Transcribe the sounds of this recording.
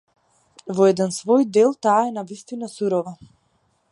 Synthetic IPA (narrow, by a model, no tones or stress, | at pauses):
vɔɛd̪ɛnsvɔjd̪ɛlˠt̪aːɛnavist̪inasuɾɔva